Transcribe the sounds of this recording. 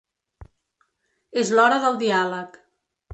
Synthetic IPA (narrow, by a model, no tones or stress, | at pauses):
ezlɔɾəðəlˠd̪ialək